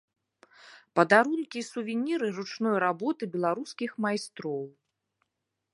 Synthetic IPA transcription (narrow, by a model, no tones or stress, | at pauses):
pɐd̪aɾunkʲisuvʲinʲiɾɨrut͡ʂnɔjɾabɔt̪ɨbʲɛlˠaɾuskʲixmajst̪ɾɔw